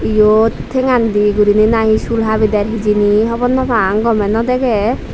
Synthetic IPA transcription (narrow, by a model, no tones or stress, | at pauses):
ijot̪ʰːeŋand̪iɡuɾininaɦisulɦabid̪ɛɾɦid͡ʒiniɦɔbɔnːɔpʰaŋɡɔmɛnɔd̪ɛɡɛ